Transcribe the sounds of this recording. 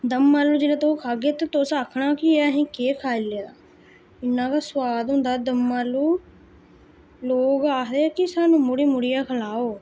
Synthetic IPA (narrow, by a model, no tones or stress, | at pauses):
d̪əmːaːluːd͡ʒɪːlãːt̪okʰaːɡeːt̪eːt̪osaːkʰɳaːkɪəɦĩːkeːkʰaːilejaː | ɪnːãːkaswaːd̪ɦʊ̃ːnd̪aːd̪əmːaːluː | loːɡaːɾekɪsaːnũːmʊɽiːmʊɽɪjaːkʰəlaːoː